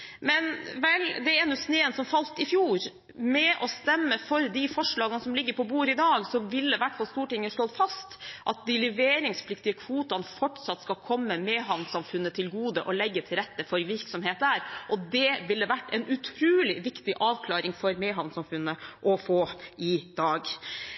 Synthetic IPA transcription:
mɛnʋɛld̪ɛɛnʉsneːənsɔmfɑlt̪ɪfjuːɾ | mɛʔɔst̪ɛmːəfɔɾd̪ɪfɔʂɭɑːɡənəsɔmlɪɡːəɾpʰɔbuːɾɪd̪ɑːɡsɔʋɪlːəʋæʈːfɑlst̪uːʈɪŋːəʂɔt̪fɑst̪ʔɑt̪̚d̪ɪlɛʋeːɾɪŋspʰlɪkt̪ɪəkʰʋuːt̪ɑnfɔʈsɑt̪ːskɑlkʰɔmːəmɛːɦɑʋnsɑmfʉnːət̪ʰɪlɡuːd̪əʔɔlɛɡːət̪ʰɪlɾɛt̪ːəfɔɾʋɪɾksɔmheːt̪̚dæːɾʔɔd̪ɛʋɪlːəʋæʈːɛɪnʔʉt̪ʰɾuːlɪʋɪkt̪ɪʔɑːʋkʰlɑːɾɪŋfɔɾmeːɦɑʋnsɑmfʉnːəʔɔfoːʔɪd̪ɑːɡ

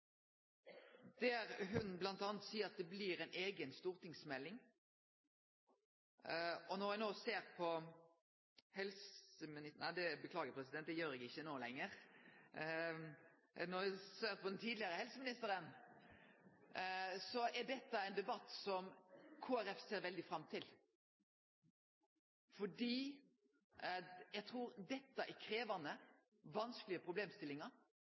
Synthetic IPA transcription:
d̪̥æːʁɦʉnblɑnt̪ɑːnət̪siːəɾɑt̪̚d̪ɛbliːʁɛɪnʔeːɡənst̪uːʁt̪ɪŋsmɛlːɪŋ | ɔnɔɾænoːseːʁpʰɔ | hɛlsəmɪnɪnæɪd̪ɛbəkʰlɑːɡəpʰʁɛsɪd̪ɛnt̪̚d̪ɛjøːɾɛɡɪçːənoːlɛ̰ŋːəʁ | nɔɾʋɪsøːɾt̪pʰɔd̪ɛnt̪ʰiːd̪lɪəɾəhɛlsəmɪnɪst̪əɾən | sɔʔæɖɛt̪ːɑɛɪnd̪ɛbɑt̪ːsɔmkʰoːæɾɛfseːɾʋɛld̪ɪfɾɑmt̪ʰɪl | fɔɖiː | jæɡt̪ʰɾuːɾd̪ɛt̪ːəʔɛkʰɾeːʋɑnə | ʋɑnskəlɪəpʰɾʊbleːmst̪ɪlːɪŋɑɾ

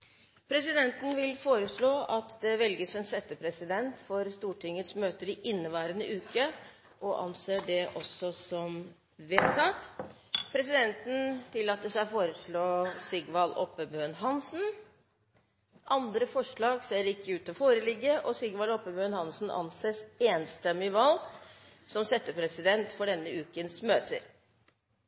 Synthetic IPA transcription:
pʰɾɛsɪd̪ɛnt̪n̩ʋɪlfoːɾəʂɭoːʔɑt̪d̪ɛʋɛlɡəsɛnsɛt̪ːəpʰɾɛsɪd̪ɛnt̪fɔɾst̪uːʈʰɪŋːət̪smøːt̪əɾɪʔɪnːəʋæːɾənəʔʉːkə | ʔɔʔɑ̰nseːɖɛʔɔsːɔsɔm | ʋeːt̪ʰɑːt̪ | pʰɾɛsɪd̪ɛnt̪n̩t̪ʰɪlːɑːt̪ːəʂæɪfoːɾəʂɭoːsɪɡʋɑlʔɔpːəbøːnɦɑnsn̩ | ʔɑnd̪ɾəfɔʂɭɑːɡseːɾɪkːəʉːt̪ɔfoːɾəlɪɡːəʔɔsɪɡʋɑlɔpːəbøːnhɑnsn̩ʔɑ̰nseːseːnst̪ɛmːɪʋɑl | sɔmsɛt̪ːəpʰɾɛsɪd̪ɛnt̪fɔɖɛnːəʉːkənsmøːt̪ʰə̰ɾ

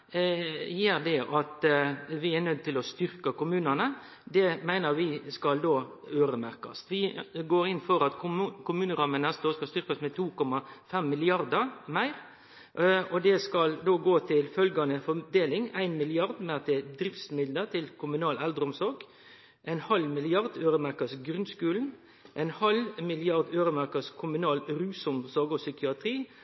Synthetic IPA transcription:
jeːɾd̪ɛʔɑt̪ʋɪænœd̪̚t̪ɪlɔst̪ʏɾkəkʊmʉːnənə | d̪ɛmæɪnəɾʋɪskɑld̪oː | øːɾəmæɾkɑ̰st̪ʋɪɡoːɾɪnːfɔɾɑt̪kʰʊmʉːnəɾɑmənnɛst̪əoːskɑlst̪ʏɾkəsmɛt̪ʰuːkɔmːɑfɛmːɪlɪɑɾd̪əɾmæɪɾ | ɔd̪ɛskɑld̪oːɡoːt̪ʰɪlfœlɡɑnəfɔd̪eːlɪŋæɪnmɪlɪɑɾd̪mɛɑt̪ɛd̪ɾɪft̪smɪd̪ləɾt̪ʰɪlkʰʊmʉnɑːlæld̪ɾəɔmsɔɾɡ | ʔæɪnhɑlmɪlɪɑɾd̪øːɾəmæɾkɑsɡɾʉnskʉːln̩ | ʔæɪnhɑlmɪlɪɑɾd̪øːɾəmæɾkɑskʰʊmʉnɑːlɾʉːsɔmsɔɾɡɔsʏkɪɑt̪ʰɾiː

